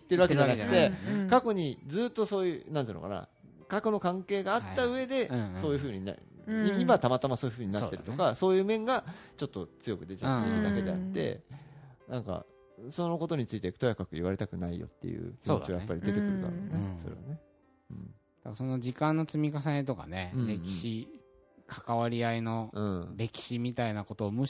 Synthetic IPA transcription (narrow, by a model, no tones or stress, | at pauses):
it̪ːeɾɯβakeaaat̪ːe̞kako̞ɲ̟id͡zɨːt̪ːo̞so̞ːjɯ̟nãnt̪ɨːnoka̰na̰ | kakono̞kãŋke̞ːɡaːt̪ːaɯ̟e̞d̪e̞so̞ːjɯ̟ɸɯ̟ːɲ̟ina̰ | iimat̪amat̪amasoːjɯ̟ɸɯ̟ːɲ̟inat̪ːɾɯ̥t̪o̞kaso̞ːjɯ̟ːmẽ̞ŋɡat͡ɕo̞t̪ːo̞t͡sɨjo̞kɯ̟d̪e̞t͡ɕa̰t̪ːed̪ake̞d̪e̞at̪ːe̞̰ | nãŋka̰ | sono̞ko̞t̪oɲ̟it͡sɨit̪e̞t̪o̞jakakɯ̟iβaɾe̞t̪akɯ̟naijo̰t̪ːe̞̰jɯ̟̰kʲsoːd̪t͡ɕiβajpːaɾʲid̪e̞t̪ekɯ̟ɾɯd̪a̰ɾoñso̞ɾea̰ne̞ | ɯ̃ːɴ | d̪̥akaso̞no̞d͡ʑikãnːo̞t͡sɨmʲikas̬aet̪̬o̞ka̰nẽ̞ɾe̞kʲːɕi | kʰḁkaβaɾʲiaino̞ɯ̃ɾe̞kʲi̥ɕimʲit̪ainako̞t̪o̞ːmo